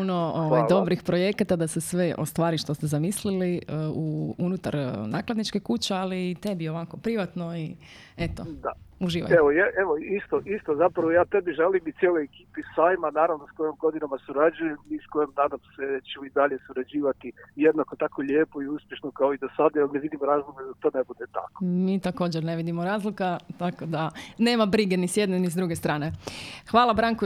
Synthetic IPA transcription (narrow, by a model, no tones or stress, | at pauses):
onooʋajd̪o̞bɾixpɾo̞je̞kat̪ad̪asesʋeʔo̰st̪ʋaːɾiʃt̪o̞st̪ezamisliliəuunut̪a̰ɾnaːklad̪nit͡ʃke̞kut͡ɕealiːt̪e̞bio̞ʋako̞pɾiʋat̪no̞iet̪od̪a̰uʒiːʋa̰eʋojeʔeʋoist̪oʔist̪ozapɾaʋojaːt̪ebiʒelimit̪ʲjeːlo̞jekiːpisaːjmanaːɾaʋnosko̞jomɡo̞d̪inamasuɾad͡ʒujemmiːskojemd̪aːd̪omset͡ɕemoid̪aʎesuɾad͡ʑiːʋat̪ijed̪nakot̪akʰo̞ʎeːpo̞iuspjeʃnokaoid̪osad̪ajaneʋid̪imoɾaːzlˠoɡad̪at̪o̞ːnebud̪et̪a̰ko̥miːt̪ako̞ːd͡ʑeɾne̞ʋid̪imoɾaːzlikat̪ako̞d̪ane̞ːmabɾiɡenisjed̪nenizd̪ɾuɡe̞st̪ɾaːne̞xʋaːlˠabɾaŋko